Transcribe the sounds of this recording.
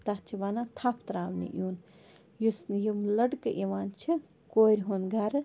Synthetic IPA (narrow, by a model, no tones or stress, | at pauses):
t̪at͡ʃʰibaːnat̪ʰapʰt̪ɾaːʋnḭʔjuːn | jusnjimlɐɽkɨʔiʋaːnt͡ʃʰi | koːɾʲɦonɡaɾ